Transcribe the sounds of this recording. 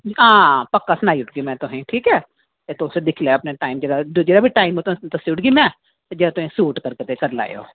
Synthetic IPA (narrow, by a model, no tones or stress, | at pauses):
ãːpɐkːasnaːjʊʈ̚ɡimɛ̃t̪oɦɛ̃ʈʰiːkɦɛː | et̪osed̪ɪkʰleɐpneʈaːɪmd͡ʒɐɾad͡ʒod͡ʒɐɾabʱiʈaːɪmot̪õt̪ɐsjuʈɡimɛ̃ | d͡ʒɐɾat̪ʊẽsuːʈkɐɾket̪ekɐɾla̰ːjo̰ː